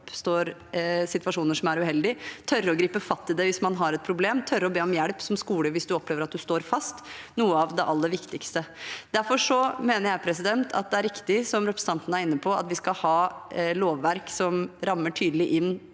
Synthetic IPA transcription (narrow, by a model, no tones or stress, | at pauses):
pst̪oːɾsɪt̪ʋɑʂuːnəʂɔmæɾʉhɛld̪ɪt̪ʰœɾːɔɡɾiːpəfɑst̪ːɪd̪ɛʋɪsmɑnɦɑɾɛt̪̚pʰɾʊbleːmt̪ʰœɾəɾɔbeːɔmjæɽpsɔmskuːləʋɪsd̪ʉɔpːleːʋəɾɑt̪̚d̪ʉst̪oːɾfɑst̪nuːəɑʋd̪ɛʔɑlːəʋɪkt̪ɪkst̪əd̪̥æɾfɔʂɔmeːnəɾjæɪpʰɾɛsɪd̪ɛnt̪ʰɑ̰t̪̚d̪ɛæɾɪkt̪ɪsɔmɾɛpʰɾəsɑnt̪ənəæɾɪnːəpʰɔɑ̰t̪ʋɪskɑhɑːloːʋːæɾksɔmɾɑmːəʈʰyːd̪əlɪʔɪnː